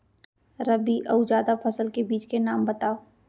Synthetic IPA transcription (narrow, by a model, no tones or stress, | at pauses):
ɾɐbiʔɐud͡ʒaːd̪apʰɐsəlkebiːt͡ʃkenaːmbɐt̪aːo